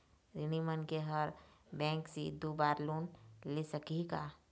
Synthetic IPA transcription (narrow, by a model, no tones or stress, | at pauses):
ɾɪnimənkeɦəɾbɛ̃ːŋksḭd̪oːbaːɾloːnlesəkikaː